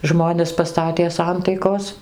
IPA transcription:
ˈʒmoːnʲɛs pɐˈstɑːtʲeː ˈsɐntɐɪkoːs

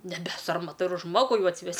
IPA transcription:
nʲɛˈbʲɛ ˈsɐrmɐtɐ ɪr ˈʒmoːɡʊ ˈjɛʊ ɐtʲsʲɪˈʋʲɛsʲ

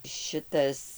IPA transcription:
ˈʃʲɪtɐs

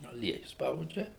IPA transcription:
ɐˈlʲiɛjʊ ˈspɐʊd͡ʒʲɛ

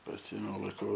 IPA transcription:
pɐˈsʲɪeːmʲɛʊ lˠɐɪˈkɐʊ

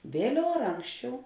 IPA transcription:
ˈʋʲeːlʲɛʊ ɐr ˈɐŋksʲt͡ʃʲɛʊ

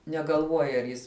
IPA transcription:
nʲɛɡɐlˠˈʋuɔjɛ ɐr ˈjɪs

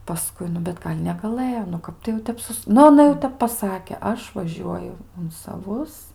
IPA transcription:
pɐˈskʊɪ ˈnʊ bʲɛt ˈɡɐlʲ nʲɛɡɐˈlˠɘjoː nʊ ˈkɐp tɐɪ jɛʊ ˈtʲɛp ˈsʊs ˈnʊ ɐˈnɐ jɛʊ ˈtʲɛp pɐˈsɑːkʲɛ ˈɐʃ ʋɐˈʒʲuɔjʊ ʊn sɐˈʋʊs

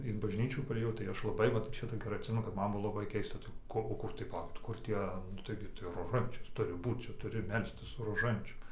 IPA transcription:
ɪn bɐʒʲˈnʲiːt͡ʃʲuː pɐrʲeːˈjɛʊ tɐɪ ˈɐʃ lˠɐˈbɐɪ ˈʋɐt ˈt͡ʃʲɛ tɐɪ ɡʲɛˈrɐɪ ɐtʲˈsʲɪmʲɛnʊ kɐt ˈmɐn ˈbʊʋoː lˠɐˈbɐɪ ˈkʲɛɪstɐ tɐɪ ˈkoː oː ˈkʊr tɐɪ pɐˈlˠɐʊkʲɪt ˈkʊr ˈtʲiɛ nʊ ˈtɐɪɡʲɪ tɐɪ roːˈʒɐnʲt͡ʃʲʊs ˈtʊrʲɪ ˈbuːt ˈt͡ʃʲɛ ˈtʊrʲɪ ˈmʲɛlʲsʲtʲɪs sʊ roːˈʒɐnʲt͡ʃʲʊm

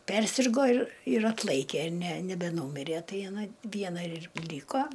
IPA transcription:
ˈpʲɛrʲsʲɪrɡoː ɪr ɪr ˈɑːtlˠɐɪkʲeː nʲɛ nʲɛbʲɛˈnuːmʲɪrʲeː ˈtɐɪ ɐˈnɐ ˈʋʲiɛnɐ ɪr ˈlʲiːkoː

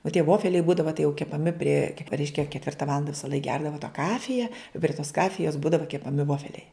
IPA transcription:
oː tʲiɛ ˈʋoːfʲɛlʲɛɪ ˈbuːdɐʋɐ tɐɪ jɛʊ kʲɛpɐˈmʲɪ pʲrʲiɛ ˈrʲɛɪʃʲkʲɛ kʲɛtʲˈʋʲɪrtɐ ˈʋɑːlˠɐndɐ ʋʲɪsɐˈlˠɐɪk ˈɡʲɛrdɐʋɐ tɐ ˈkɑːfʲɪjɛ ɪ pʲrʲɪ toːs ˈkɑːfʲɪjoːs ˈbuːdɐʋɐ kʲɛpɐˈmʲɪ ˈʋoːfʲɛlʲɛɪ

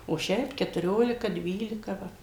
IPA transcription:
oː ˈʃʲɛɪp kʲɛtʊˈrʲoːlʲɪkɐ ˈdʲʋʲiːlʲɪkɐ ˈʋɐ

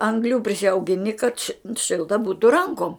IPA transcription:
ɐŋɡˈlʲuː pʲrʲɪsʲɛʊɡʲɪˈnʲɪ kɐt ʃʲɪ ˈʃʲɪlˠtɐ ˈbuːtʊ ˈrɐŋkoːm

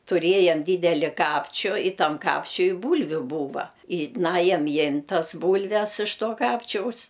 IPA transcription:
tʊˈrʲeːjɛm ˈdʲiːdʲɛlʲɪ ˈkɑːpʲt͡ʃʲʊ ɪ ˈtɐm ˈkɑːpʲt͡ʃʲʊɪ ˈbuːlʲʋʲʊ ˈbuːʋɐ ɪ ˈnɑːjɛm ˈjɪmʲtʲ ˈtɐs ˈbuːlʲʋʲɛs ɪʃ ˈtoː ˈkɑːpʲt͡ʃʲɛʊs

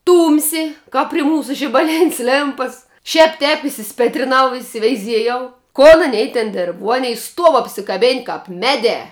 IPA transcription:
ˈtuːmʲsʲɪ ˈkɐp pʲrʲɪ ˈmuːsʊ ʒʲɪbɐˈlʲɪnʲsʲ ˈlʲeːmpɐs ʃʲɛːp tʲɛːp ɪsʲɪˈsʲpʲeːtʲrʲɪnɐʊ ɪsʲɪʋʲɛɪˈzʲiɛjɛʊ koːn ɐˈnʲɛɪ tʲɛn ˈdʲeːrp ʋuɔ ˈɑːnʲɛɪ ˈstuɔw ɐpʲsʲɪˈkɑːbʲeːnʲ kɐp ˈmʲæːˌdʲɛː

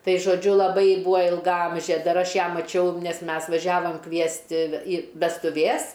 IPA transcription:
ˈtɐɪ ʒoːˈd͡ʒʲʊ lˠɐˈbɐɪ ˈbuːɐ ɪlˠɡɐˈɐmʲʒʲeː ˈdɐr ˈɐʃ ˈjæː mɐˈt͡ʃʲɛʊ ˈnʲɛs ˈmʲɛs ʋɐˈʒʲæːʋoːm ˈkʋʲiɛsʲtʲɪ ɪ ʋʲɛstʊˈʋʲeːs

